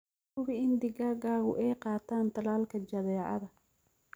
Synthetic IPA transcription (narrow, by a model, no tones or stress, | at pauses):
ʊβɪɪnd̪ɪɣaːɣaːɣʊ̰ʔɛjqɑːt̪ʰaːnt̪ʰɐlaːlkʰɐt͡ʃɐðɛːʕɑ̰ðɐ